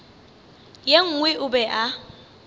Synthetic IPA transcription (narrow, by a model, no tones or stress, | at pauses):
jeŋ̩ŋwɪʔʊbɛʔa